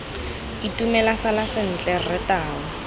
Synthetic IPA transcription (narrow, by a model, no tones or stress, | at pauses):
itumɛlasalasɪn̩t͡ɬʼɛrɪtaːwɔ